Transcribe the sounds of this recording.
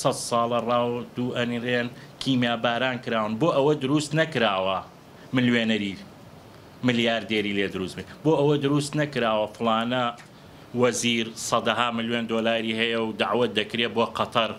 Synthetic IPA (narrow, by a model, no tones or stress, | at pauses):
sɐt̪sɑːlˠɐrˤɑːwd̪uːʔɐnireːn | kʰiːmjaːbaːɾaːnkɨɾaːwɨnboːʔɐwɐd̪ʊɾuːst̪nɐkɾaːwɐ | mɪlweːnɐɾi | mɪljaːɾd̪eːɾiːleːd̪ʊɾuːst̪beboːʔɐwɐd̪ʊɾuːst̪nɐkɾaːwɐfɨlaːnɐ | wɐziːɾsˤɐd̪ɐɦaːmɨlweːnd̪oːlaːɾiːɦɐjɐwd̪aʕwɐt̪̚d̪ɐkɾeːboːqɑt̪ˤɐɾ